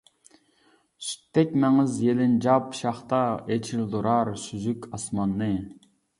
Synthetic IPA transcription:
sy̥t̪ʰːɛk̚ʲmɛŋɪzjelɪnd͡ʒɑpʃɑχt̪ɑet͡ʃʰild̪uɾɑɾsyzykʲʰɑsmɑnːɨ

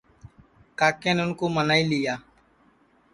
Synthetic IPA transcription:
kaːkeːnʊnkoːmənaːiːlɪjaː

